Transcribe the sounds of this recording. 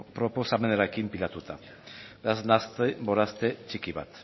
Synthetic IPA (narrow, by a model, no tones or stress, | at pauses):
pɾo̞posame̞naɾekimpiʎat̪ut̪a | beaznast̪ebo̞ɾast̪e̞t͡ʃikiβat̪